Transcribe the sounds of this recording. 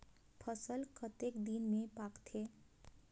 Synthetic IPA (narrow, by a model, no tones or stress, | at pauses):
pʰəsəlkət̪eːkd̪inmẽpaːkt̪ʰeː